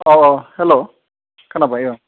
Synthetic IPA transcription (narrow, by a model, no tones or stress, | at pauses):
ɔɔhɛlo | kʰanapaiɔ